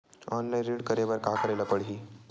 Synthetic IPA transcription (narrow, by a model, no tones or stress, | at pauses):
ɔnlainɾiɽkəɾeʋəɾkakəɾalapəɽɦiː